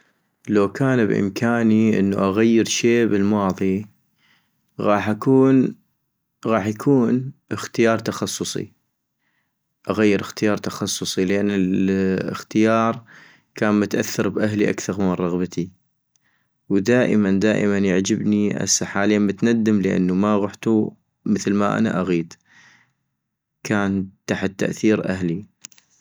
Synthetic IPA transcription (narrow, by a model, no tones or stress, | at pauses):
lawkʰaːnbʔɪ̰mkʰaːniʔə̰nːuʔaɣajːɪɾʃeːbɪlmɑːðˤi | ɣɑːħʔakuːn | ɣɑːħjakʰuːnɪxt̪ɪjɑːɾˤt̪axɑsˤːʊsˤḭ | ʔaɣajːɪɾɪxt̪ɪjɑːɾˤt̪axɑsˤːʊsˤilɪʔanːɪlɪ̰xt̪ɪjɑːɾˤ | kaːnmʊt̪ʔaθːɑɾbʔaɦliʔa̰kθɑɾˤmɪnrˤɑɣbat̪ʰi | wd̪aːʔəmand̪aːʔəmanjaʕd͡ʒɪbniʔa̰sːaħaːliːnmʊt̪nad̪ːɪmləʔa̰nːumaɣʊħt̪u | məθlmaʔa̰na̰ʔaɣiːd̪ | kʰaːnt̪aħt̪ːa̰ʔθiːɾʔahli